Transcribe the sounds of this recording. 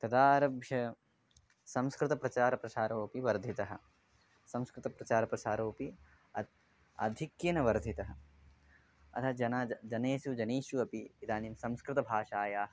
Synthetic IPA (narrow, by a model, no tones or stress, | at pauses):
t̪ɐd̪aːɾɐbʱjɐ | sɐ̃mskɾɪt̪ɐpɾɐt͡ʃaːɾɐpɾɐʃaːɾoːpiʋɐɾd̪ʱit̪ɐɦɐ̆ | sɐmskɾɪt̪ɐpɾɐt͡ʃaːɾɐpɾɐsaːɾoːpi | ɐt̪ | ɐ̰d̪ʱikjɐnɐʋɐɾd̪ʱit̪ɐɦɐ̆ | ɐ̰t̪ʰɐd͡ʒɐnɐd͡ʒɐneːʃud͡ʒɐneːʃuɐpiid̪aːniːmsɐmskɾɪt̪ɐbʱaːʃaːjaːɦɐ